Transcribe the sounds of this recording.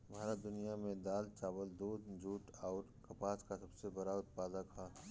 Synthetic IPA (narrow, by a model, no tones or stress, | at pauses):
bʱaːɾad̪ʊnijamẽd̪aːlt͡ʃaːbəld̪uːd̪d͡ʒuːʈɔːɾkɐpaːskasɐbsebɐɾaʊt̪̚paːd̪akʰaː